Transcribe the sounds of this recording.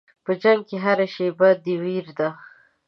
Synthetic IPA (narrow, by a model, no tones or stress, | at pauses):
pəd͡ʒaŋɡ̚keɦaɾaʃebad̪iwiɾd̪a